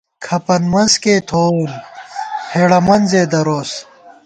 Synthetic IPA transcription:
kʰɐpɐnmɐnskeːt̪ʰoːm | hʰeɽɐmɐnzeːd̪ɐɾoːs

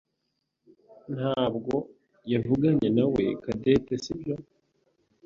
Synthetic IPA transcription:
nhaːbɡo̞ | javuɡaɲe̞nawe̞̰kade̞tesibjo̞

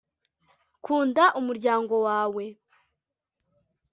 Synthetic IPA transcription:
kʰuːndaʔumuɾɟaːŋɡo̞waːwe̞

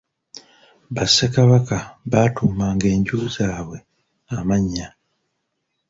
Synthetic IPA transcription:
βasːekaβakaβaːtuːmaːŋɡe̞ːɲɟuːzaːβwe̞ | amaɲːa

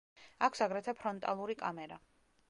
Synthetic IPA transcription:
akʰsaɡɾɛt̪ʰapʰɾɔnt̪ʼa̰lˠuɾikʼamɛɾa

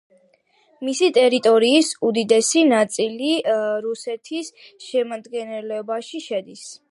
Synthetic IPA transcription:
misit̪ʼɛɾit̪ʼɔɾiːsud̪id̪ɛsinat̪sʼiliɾusɛt̪ʰis | ʃɛmad̪ɡɛnɛlɛbaʃiʃɛd̪is

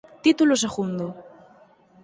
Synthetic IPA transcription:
t̪it̪ulos̬eɣund̪o

